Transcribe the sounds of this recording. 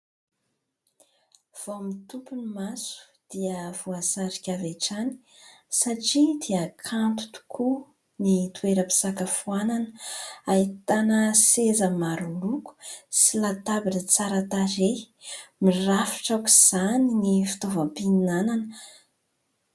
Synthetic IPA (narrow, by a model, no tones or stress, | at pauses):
v̥omit̪upunimasu̥ | d̪̥iəv̥uasaɾikʲaveʈ͡ʂani̥ | saʈ͡ʂid̪iəkʰant̪u̥t̪u̥kʰu | nit̪ueɾəpi̥sakəfuananəait̪anəsezəmaɾuluku̥silat̪abinət͡saɾat̪aɾe | mirafi̥ʈ͡ʂakiz̥aninifi̥t̪ovampinananə